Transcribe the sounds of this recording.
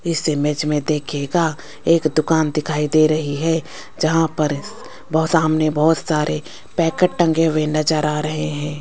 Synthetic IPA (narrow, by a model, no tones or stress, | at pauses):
ɪsːemed͡ʒmẽd̪eːkʰeɡa | eːkd̪ʊkaːnd̪ɪkʰaːid̪eːɾɐɦiɦɛ | d͡ʒɐɦãpɐɾ | bsaːmnebɔɦʊt̪saːɾʔe | pɛːkəʈ̚ʈɐ̃ŋɡeʋẽːnəd͡ʒəɾaɾɐɦeɦɛ̃ː